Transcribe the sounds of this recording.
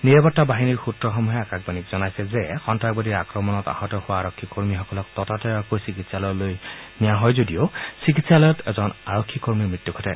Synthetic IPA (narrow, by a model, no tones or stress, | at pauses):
niɹɛpɔtːabaɦiniɹxutɹɔxɔmuɦɛakaɡ̚banikzɔnajsɛzɛxɔntak̚badiɹakɹɔmɔnɔta̰hɔtɔxʊwaːɹɔkʰːikoɹmixɔkɔlɔktɔtatɔakojsikitsalɔjlojnijaɦɔjzodiosik̬itsalɔjɔtɛ̰zɔnaɹokʰːikoɹmiɹmɹitːukʰɔtʰɛ̰